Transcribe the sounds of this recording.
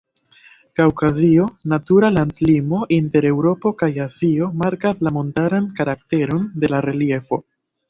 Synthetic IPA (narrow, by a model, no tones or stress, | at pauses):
kaokazionatuɾalandlimo̞ʔinte̞ɾe̞wɾo̞po̞kajazio̞maɾkaslamo̞ntaɾankaɾak̚te̞ɾo̞nde̞laɾe̞lie̞fo̞̰